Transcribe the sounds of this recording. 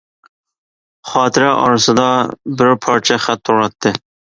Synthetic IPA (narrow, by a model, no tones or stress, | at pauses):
χɑːt̪ʰɪɾɛʔɑ̰ɾsɨd̪ɑbɪɾpʰɑɾt͡ʃʰɛχæt̪ʰːoɾɑt̪ʰːɪ